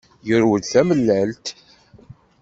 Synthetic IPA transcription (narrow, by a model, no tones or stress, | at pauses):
jəɾwəðθæməlːəlt̪